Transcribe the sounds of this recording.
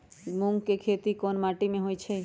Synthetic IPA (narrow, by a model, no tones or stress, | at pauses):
mũŋɡkekʰet̪ikonmaːʈimẽɦojt͡ʃʰe